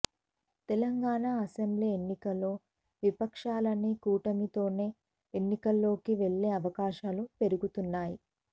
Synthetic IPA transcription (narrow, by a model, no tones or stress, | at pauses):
t̪elɐŋɡaːɳaːɐse̞mbliːe̞nːikɐlːo̞ː | ʋipɐkʂaːlɐnikuːʈɐmit̪o̞ːne̞ː | enːikɐlːo̞ːkiʋe̞ɭːe̞ːɐʋɐkaːʃaːlupe̞ɾuɡut̪unːaːji